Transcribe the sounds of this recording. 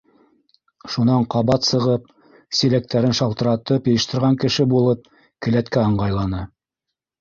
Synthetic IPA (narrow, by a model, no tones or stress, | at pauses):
ʃunɑɴqɑβɑt̪sɤ̆ʁɤp̚ | silæk̚t̪æɾɘnʃɑlˠt̪ɤ̆ɾɑt̪ɤpjɤ̆jɤ̆ʃt̪ɤ̆ɾʁɑŋkɘ̆ʃɘbulˠɤp̚ | kɘ̆læt̪kæɤ̆ɴɢɑjlˠɑnɤ